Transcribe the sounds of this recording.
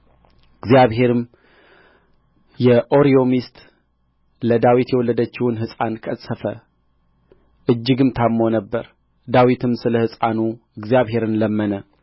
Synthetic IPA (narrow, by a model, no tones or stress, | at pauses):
ɨɡzjaβɦe̞ɾɨm | jɛʔoɾio̞mist̪ | ləd̪awit̪jɛwɔlːəd̪ət͡ʃːɪwʊnhɨsʼankʰʼəsʼːəfə | ʔɨd͡ʒːɪɡɨmt̪ʰamo̞nəbːə̰ɾ | d̪awit̪ʰɨmsɨləhɨsʼanu | ɨɡzijaβɦe̞ɾɨnləmːənə